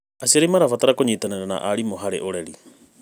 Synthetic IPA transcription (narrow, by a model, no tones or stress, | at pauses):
asiaɾimaɾafataɾakoɲitananana̰ʔaɾimoɦaɾḛʔoɾɛɾi